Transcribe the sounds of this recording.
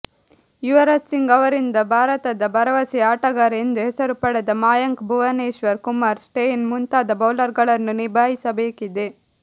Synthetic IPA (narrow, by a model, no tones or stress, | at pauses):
juʋɐɾɐtsiŋɡɐʋɐɾind̪ɐbʱaːɾɐt̪ɐd̪ɐbɐɾɐʋɐsiaːʈɐɡaːɾe̞nd̪uɦɛsɐɾupɐɽɐd̪ɐmaːjɐŋkbʱuʋɐneːʃʋɐɾkumaːɾsʈejinmunt̪aːd̪ɐbɐwlɐɾɡɐɭɐnːunibʱaːɦisɐbeːkid̪e